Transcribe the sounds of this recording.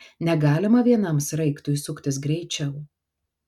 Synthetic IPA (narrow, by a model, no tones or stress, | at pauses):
nʲɛɡɑːlʲɪmɐʋʲiɛnɐmsɾɐɪkt̪ʊjsʊkt̪ʲɪs̬ɡɾʲɛɪt͡ʃʲɛʊ